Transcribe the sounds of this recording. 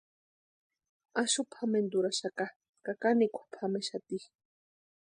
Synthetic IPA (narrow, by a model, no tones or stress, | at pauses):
aʃupʰamend̪uɾaʃaka | kakanikʷu̥pʰameʃat̪i